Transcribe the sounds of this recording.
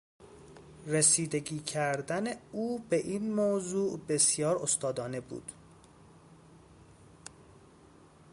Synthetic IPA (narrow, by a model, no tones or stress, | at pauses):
resiːd̪e̞ɟiːcʰæɾd̪æneuːbe̞ʔiːnmoːzuːʔbe̞sjɒːɾo̞st̪ɒːd̪ɒːne̞bṵːd̪̥